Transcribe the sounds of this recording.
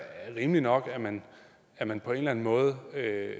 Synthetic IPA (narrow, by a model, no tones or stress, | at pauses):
ʁiːmlinɒ̽ɡ̥æmæn | æɐmænpʰɒ̽e̝nlæn̩mɔ̽ːð̞̩ˠø